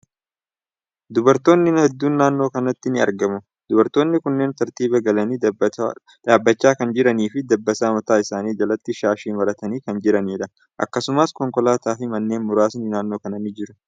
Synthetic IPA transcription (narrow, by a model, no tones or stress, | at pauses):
d̪ʊbɐɾt̪o̞ːnːɪnhɛd̪ːuːnːaːnːo̞ːkɐnɐt̪ːɪnɪɐ̰ɾɡɐmʊ | d̪ʊbɐɾt̪ːo̞ːnːɪkʊnːe̞ːnt̪ɐɾt̪iːbɐɡɐlɐniː | d̪aːbːɐt͡ʃːaːkɐnd͡ʒɪɾɐniːfɪd̪ɐbːɐsaːmɐt̪aːɪsaːniːd͡ʒɐlɐt̪ːɪʃaːʃiːnwɐɾɐt̪ɐniːkɐnd͡ʒɪɾɐniːᶑɐ | ʔɐ̰kːɐsʊmɐskɔŋkɔlaːt̪aːfɪmɐnːe̞ːnmʊɾaːsnɪnaːnːo̞ːkɐnɐnɪd͡ʒɪɾʊ